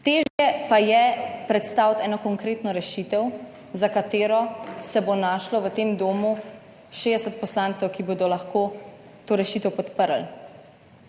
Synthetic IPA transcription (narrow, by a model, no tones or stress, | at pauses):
t̪eːʒjɛpajɛpɾɛt̪st̪aːwt̪ɛːnɔkɔŋkɾeːt̪nɔɾɛʃit̪ɛw | zakat̪eːɾɔsɛbonaʃlɔʋət̪eːmd̪oːmu | ʃeːd̪ɛsət̪̚pɔslaːnt̪sɛwkibod̪ɔlaxkoː | t̪oːɾɛʃit̪əwpɔt̪pəɾl